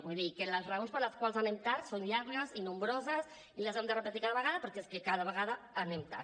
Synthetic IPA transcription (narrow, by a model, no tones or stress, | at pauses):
buðikələzreonspəɾləskwalˠzanemt̪aɾsonʎaɾɣəzinumbɾozəz | iləzemd̪ərəpət̪ikaðəβəɣ̞aðəpəɾkeskekaðəβ̞əɣaða | anemt̪a̰ɾ